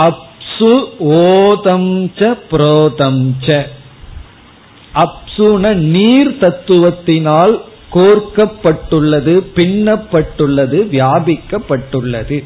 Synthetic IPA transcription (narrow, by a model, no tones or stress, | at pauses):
ɐpsɯoːðɐmt͡ʃɐpɪɾoːtɐmt͡ʃɐ | ʔɐpsunɐniːɾt̪ɐt̪ːɯʋɐt̪ːɪnaːl | koːrkɐpːɐʈːɯɭːɐðɯpɪɳːɐpːɐʈːɯɭːɐðɯʋjaːbɪkːɐpːɐʈːɯɭːɐ̰ðɯ